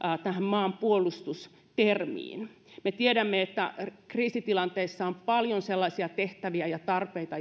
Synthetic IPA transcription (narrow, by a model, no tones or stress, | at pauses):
t̪æhæmmɑːmpuolust̪us | t̪ermḭːn | met̪iedæmːeet̪ːæ̰kriːsit̪ilɑnt̪eisːɑompɑljonselːɑsiɑt̪eht̪æʋiæjɑt̪ɑrpeit̪ɑ